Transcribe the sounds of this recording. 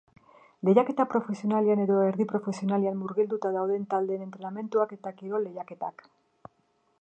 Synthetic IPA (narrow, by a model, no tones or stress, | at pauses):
le̞ʝake̞t̪apɾo̞fe̞sio̞naleane̞ðo̞eɾðipɾo̞fe̞sio̞naleammuɾɣild̪ut̪að̞awðe̞nt̪ald̪eːne̞nt̪ɾe̞name̞nt̪uake̞t̪akiɾo̞lejake̞t̪a̰k